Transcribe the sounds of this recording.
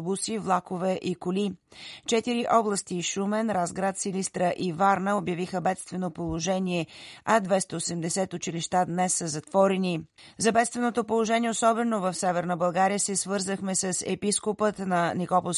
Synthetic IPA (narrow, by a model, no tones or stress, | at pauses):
busivlˠakovɛʔikʊlit͡ʃɛt̪iɾiʔɔblˠəst̪iʃumɛnɾazɡɾat̪silist̪ɾəʔivaɾnəobjɐvixəbɛt̪st̪vɛnopolˠoʒɛniɛɐd̪vɛst̪əosɛmd̪ɛsɛt̪ʊt͡ʃiliʃt̪ad̪nɛsːəzɐt̪vɔɾɛni | zɐbɛt̪st̪vɛnot̪opolˠoʒɛnʲiɛosɔbɛnovɐfsɛvɛɾnəbɐlˠɡaɾijəsɛsvɤɾzəxmɛsəsɛ̰piskopət̪nɐnikɔpo